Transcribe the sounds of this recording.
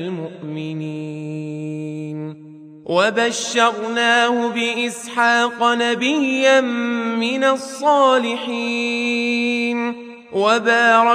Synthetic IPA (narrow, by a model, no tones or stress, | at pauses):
lmʊʔmɪniː | n | wabaʃːɑɾnaːhʊbɪʔɪsħɑːqɑnabɪjːanːɪnasˤːɑːlɪħiː | n | wabɑːɾˤɑ